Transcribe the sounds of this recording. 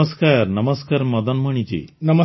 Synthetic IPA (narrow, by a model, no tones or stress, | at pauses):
əskaɾnəməskaɾməd̪ənməɳ̃it͡ɕḭːnəmə